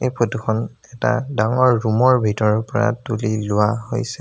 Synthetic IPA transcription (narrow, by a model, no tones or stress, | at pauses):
ejpʰotuxʰɔn | ɛta̰daŋɔɹːumɔɹbʱitɔɹɔɹpɔɹa̰tulilʊwaɦojsɛ